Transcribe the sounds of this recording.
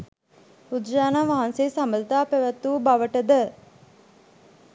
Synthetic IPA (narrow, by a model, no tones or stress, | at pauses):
ud̪d͡ʒaːnaːʋaɦanseːsambəlt̪aːpæʋət̪ːuːbaʋəʈəd̪ə